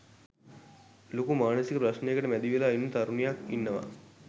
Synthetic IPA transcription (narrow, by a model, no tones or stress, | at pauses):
lokumaːnəsikəpɾɐʃnejekəʈəmæd̪iʋelaːinːət̪aɾunijakinːəʋa̰